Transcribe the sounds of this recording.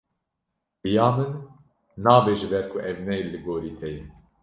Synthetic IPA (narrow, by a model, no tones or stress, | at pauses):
b̥ɨjɑːmɨnː | ɑːbeːʒɨbɛɾkʰuʔɛvnɛjlɨɡoːɾiːt̪ʰɛjin